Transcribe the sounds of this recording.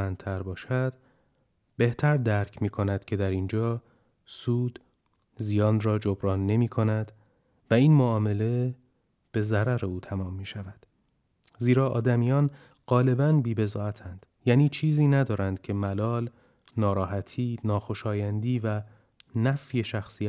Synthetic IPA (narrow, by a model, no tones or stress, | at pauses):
ænt̪ʰæɾbɒːʃæd̪̥ | be̞ht̪ʰæɾd̪æɾcʰmiːkʰo̞næd̪̥cʰe̞d̪æɾind͡ʒɒː | suːd̪̥ | zijɒːnrɒːd͡ʒobɾɒːnːe̞miːkʰo̞næd̪̥ | væiːnmoɒːme̞le̞ | b̥e̞zæɾæɾe̞uːt̪ʰæmɒːmːiːʃævæd̪̥ | ziːɾɒːʔɒːd̪æmijɒːn | ɢ̥ɒːle̞bænbiːbe̞zɒːæt̪ʰænd̪̥ | jæːniːt͡ʃʰiːziːnæd̪ɒːɾænd̪̥cʰe̞mælɒːl | nɒːɾɒːhæt̪ʰiːnɒːxo̞ʃɒːjænd̪iːvæ | næfje̞ʃæxsiæ